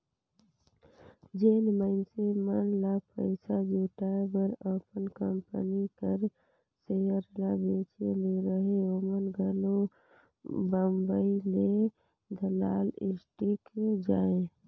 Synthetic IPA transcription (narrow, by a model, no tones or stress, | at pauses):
d͡ʒeːnməɪnsemənlapəɪsad͡ʒuːʈaːebəɾəpənkəmpə̰nikəɾ | sejəɾlabeːt͡ʃḛleɾəɦeomənɡʱəlo | bambəile | d̪ʱəlaːlɪ̰sʈikd͡ʒaːe